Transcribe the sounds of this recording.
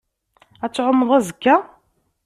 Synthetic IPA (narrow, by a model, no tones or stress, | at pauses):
æt͡sːʕʊmːəðˤæzəkːæ